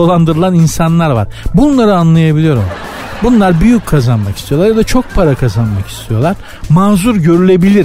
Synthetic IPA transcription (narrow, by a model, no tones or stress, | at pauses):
olˠand̪ɯɾɯlˠaninsanlˠaɾva̰ɾ̥bunlˠaɾɯanlˠajabilʲijo̞ɾṵ | bunlˠaɾbyjycʰːazanma̰ki̥st̪ʰijo̞lˠaɾjad̪at͡ʃʰo̞k̚pʰaɾakʰazanmaki̥st̪ʰijo̞lˠaɾ̥ | maːzuɾɟø̞ɾylʲe̞bilʲiɾ